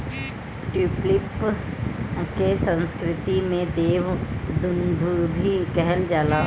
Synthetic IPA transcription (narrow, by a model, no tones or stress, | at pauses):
ʈuːplɪp | kesə̃nskɾɪt̪imẽd̪eːʋd̪ʊnd̪ʱubʱikɛɦɛld͡ʒaːlaː